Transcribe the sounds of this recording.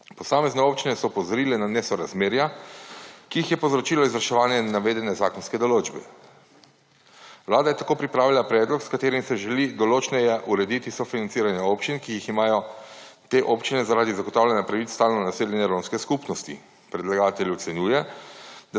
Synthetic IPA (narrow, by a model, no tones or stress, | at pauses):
pɔsaːmɛznɛoːpt͡ʃinɛsɔpɔzɔɾiːlɛnanɛsɔɾazmeːɾja | kiixjɛpozɾɔt͡ʃiːlɔizɾʃɛʋaːnjɛnaʋeːd̪ɛnɛzaːkɔnskɛd̪ɔloːd͡ʒbɛ | wlaːd̪ajɛt̪akoːpɾipɾaːʋilapɾɛːd̪lɔkskat̪eːɾimsɛʒɛlid̪ɔloːt͡ʃnɛjɛʔuɾɛd̪it̪isɔfinansiːɾanjɛopt͡ʃinkijiximaːjɔ | t̪eʔoːpt͡ʃinɛzaɾaːd̪izaɡoɔt̪aːwlʲɛnjapɾaʋit̪st̪aːlnɔnaseːljɛnjɛɾoːnskɛskupnɔst̪ḭ | pɾɛd̪laɡaːt̪ɛljuw̪sɛnjuːjɛd̪a